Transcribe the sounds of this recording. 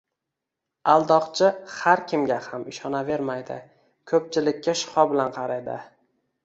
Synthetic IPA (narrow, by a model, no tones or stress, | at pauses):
alˠd̪ɒqt͡ʃʰɪhaɾkʲʰɪmɡʲahamɪʃɒnave̞ɾmajd̪ɪ̰ | kʰɵp̚t͡ʃʰɪlɪkʲːaʃɪ̥hɒbɪlanqʰɑɾad̪ɪ̰